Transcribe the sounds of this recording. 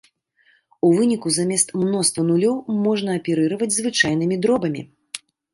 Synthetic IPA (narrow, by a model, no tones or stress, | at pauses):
uvɨnʲikuzamʲɛst̪mnɔst̪vɐnulʲɔwmɔʐnɐːpʲɛɾɨɾɐvɐd͡zʲzvɨt͡ʂajn̪ɨmʲid̪ɾɔbɐmʲḭ